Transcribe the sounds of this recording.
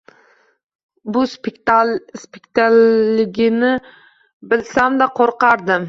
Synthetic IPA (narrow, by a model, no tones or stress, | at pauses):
bʊs | spɪkt̪ʰalːɪɡʲɪnɪ | bɪlsamd̪aqʰoɾqɑɾd̪ɪm